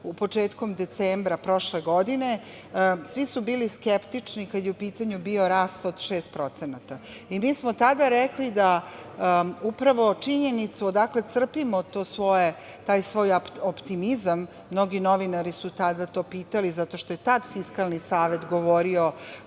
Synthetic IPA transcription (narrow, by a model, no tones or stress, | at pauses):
upot͡ʂeːt̪komd̪et̪seːmbɾapɾo̞ʃleɡo̞d̪ine̞ | sʋisubiːliskept̪it͡ʂnikad̪jeupiːt̪aɲubio̞ɾaːst̪o̞d̪ʃeːst̪̚pɾo̞t̪senat̪aimiːsmot̪ad̪aɾeklid̪a | upɾaʋo̞t͡ʂiɲenit̪suod̪akle̞t̪sr̩pimot̪oːsʋo̞je | t̪aːjsʋo̞ːjapopt̪imizamː | no̞ɡino̞ʋinaɾisut̪ad̪at̪o̞ːpiːt̪alizat̪o̞ʃt̪o̞jet̪ad̪fiskalˠnisaːʋe̞t̪ɡo̞ʋo̞ɾio